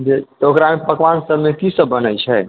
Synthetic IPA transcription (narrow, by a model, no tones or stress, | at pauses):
d͡ʒet̪okɾamepəkʋansəbʱmekisəbːənəjt͡ʃʰɛ